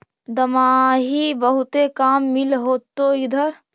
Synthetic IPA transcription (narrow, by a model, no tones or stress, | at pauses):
d̪əmaɦibəɦut̪ekamːilɦot̪ːoid̪ʱəɾ